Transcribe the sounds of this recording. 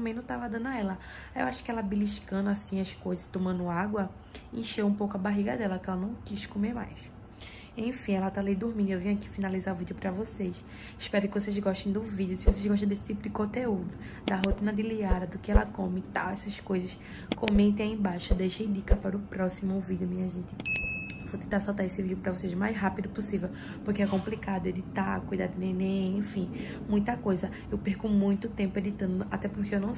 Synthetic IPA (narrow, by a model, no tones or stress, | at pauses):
t̪ɐ̃mẽnɐ̃w̃t̪avad̪ɐ̃nɐɛlɐ | ewaʃʊ̥kɪɛlɐbiliʃkɐ̃nd̪ʊasĩɐskojzɐst̪õmɐ̃nd̪ʊaɡwɐ | ẽʃewũpowkɐbaɦiɡɐd̪ɛlɐkɛlɐnɐ̃w̃kiʃkomema̰js | ẽj̃fĩɛlɐt̪alid̪ʊɾmĩd̪ʊewvĩɲɐkifinalizaɾuvid̪ʊpɾɐvoseʃ | iʃpɛɾʊkɪvosezɡɔʃt̪ẽj̃d̪ʊvid̪jʊsɪvos̬eʒɡɔʃt̪ẽd̪esɪ̥t̪ipʊd̪ɪkõt̪eud̪ʊ | d̪ɐɦot̪ĩnɐd̪ɪliaɾɐd̪ʊkɪɛlɐkõmɪt̪a̰wɛsɐskojzɐs | kõmẽt̪ẽaĩbajʃʊd̪ejʃejd̪ikɐpaɾʊpɾɔsimʊvid̪jʊmĩɲɐʒẽnt̪ɪvot̪ẽt̪asawt̪aesɪvidʲjʊpɾɐvosejzma̰jzɦapid̪ʊpʊsivew | poɾkeɛkõmplikad̪ʊed̪it̪akujd̪ad̪ɪnẽnẽẽfĩ | mũj̃t̪ɐkojzɐ | ewpeɾkumũj̃t̪ʊt̪ẽmpʊed̪it̪ɐ̃nd̪ʊʔat̪ɛpohkeewnɐ̃w̃